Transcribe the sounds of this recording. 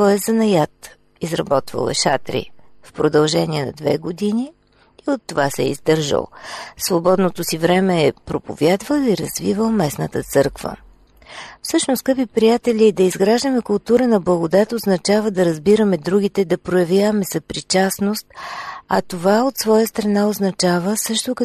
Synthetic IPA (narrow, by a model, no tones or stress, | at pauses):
ɔɛzɐnɐjat̪ | izɾɐ̰bɔt̪və̰lˠɛ̰ʃa̰t̪ɾḭfpɾod̪ɐlˠʒɛniɛnɐ̰d̪vɛ̰ɡod̪iniː | ot̪ːovasɛ̰ḭzd̪ɤɾʒə̰lˠsvobɔd̪not̪osivɾɛmɛːpɾopo̰vʲjad̪vəlˠiɾɐzvivəlˠmɛsnət̪ət̪sɤɾkv̥ə̰ | fsɤʃnʊskəpipɾijat̪ɛlʲiːd̪ɐizɡɾaʒd̪əmɛkʊlˠt̪uɾənɐblˠɐɡod̪at̪oznɐt͡ʃavəd̪ɐɾɐzbiɾəmɛd̪ɾuɡ̟it̪ɛd̪ɐpɾojɐvjavəmɛsɐpɾit͡ʃasnost̪̚ɐt̪ovaot̪svɔjəst̪ɾɐnaoznɐt͡ʃavəsɤʃt̪ʊk